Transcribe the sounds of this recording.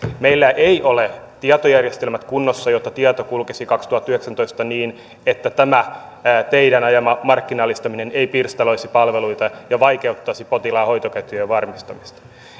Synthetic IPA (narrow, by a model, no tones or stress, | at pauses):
meilːæʔeiʔolet̪iɑt̪ojærjest̪e̞lmæt̪kunːosːɑjot̪ːɑt̪iɑt̪okulkesikɑkst̪uhɑt̪ːyheksænt̪o̞ist̪ɑniːn | et̪ːæt̪æmæ | t̪eidænɑjɑmɑmɑrkːinɑlːist̪ɑmineneipirst̪ɑloisipɑlʋeluit̪ɑjɑʋɑike̞ut̪ːɑːsipot̪ilɑːho̞jt̪okæt̪yeʋɑrmist̪ɑmist̪ɑ̥